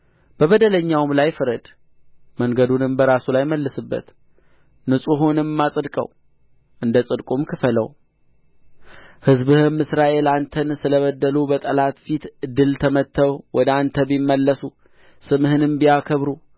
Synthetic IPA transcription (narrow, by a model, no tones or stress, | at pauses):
b̥əβəd̪ələɲːawmlajfɨɾəd̪ | məŋɡəd̪unɨmbəɾasulajməlːɨsɨbːə̰t̪ | nɨsʼuɦunɨmːasʼɨd̪kʼə̰w | ʔɨnd̪əsʼɨd̪kʼumkʰɨfələ̰w | hɨzbɨhɨmːɨsɾaʔe̞lant̪ʰənsɨləβəd̪ːəlubət̪ʼəlat̪fit̪ɨd̪ːɨlt̪ʰəmət̪ʰːəwwʔɔd̪ant̪ʰəbimːəlːəsu | sɨmhɨnɨmbijakʰəβɾu